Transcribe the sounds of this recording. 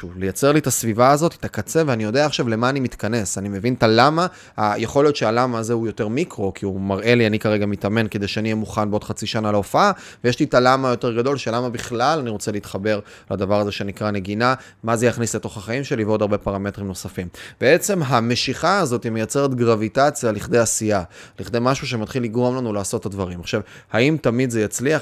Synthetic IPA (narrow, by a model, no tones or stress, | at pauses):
ʃuvlejat͡se̞ʁlitasvivaːzo̞ti̥t̪akat͡se̞veanijo̞deaːχʃavle̞maːnimitkane̞sanimevintalama | ajeχo̞lijotʃealamazeujo̞te̞ʁmikʁo̞kʰiumaʁʔe̞lianikaʁe̞ɡamitame̞nked̪ejʃeanijemuχanbeo̞dχat͡siʃanalaofaa | vejeʃlitalamajote̞ʁɡado̞lʃelamabiχlalaniʁo̞t͡seleitχabe̞ʁ | ladavaʁaze̞ʃenikʁane̞ɡina | mazejaχnisleto̞χhaχaimʃe̞liveo̞daʁbe̞paʁame̞tʁimno̞safimb̥ee̞t͡se̞mɦame̞ʃiχaːzo̞timejat͡se̞ʁet̪ɡʁavitat͡sjaliχd̪e̞jasialiχd̪e̞jmaʃuʃ̬ematχilːiɡʁo̞mlanulaːso̞t̪ːadvaʁimaχʃavhaimtamidzejat͡slia